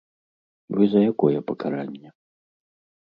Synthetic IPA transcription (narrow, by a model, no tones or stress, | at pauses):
vɨzɐjakɔjɛpɐkaɾanʲːɛ